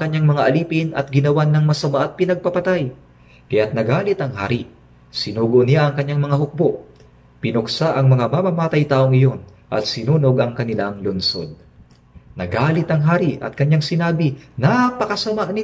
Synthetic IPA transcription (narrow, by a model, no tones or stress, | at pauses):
kɐɲːaŋmɐŋaʔɐliːpɪnʔɐ̰t̪̚ɡɪnɐwanːɐŋmɐsɐmaʔɐt̪̚pɪnɐɡ̚pɐpɐt̪aj | kɐjat̪̚nɐɡaːlɪt̪ɐŋɦa̰ːɾi | sɪnuːɡoʔnɪjaʔɐŋkɐɲːaŋmɐŋaɦʊk̚boʔ | pɪnʊksaʔɐŋmɐŋamamɐmaːt̪ɐjt̪aːʔoŋɪjo̞n | ʔɐ̰t̪̚sɪnuːnoɡɐŋkɐnɪlaŋlʊnso̞̰d̪̚ | nɐɡaːlɪt̪ɐŋɦaːɾiɐ̰t̪̚kɐɲjaŋsɪnaːbɪnapɐkɐsɐmaʔnɪ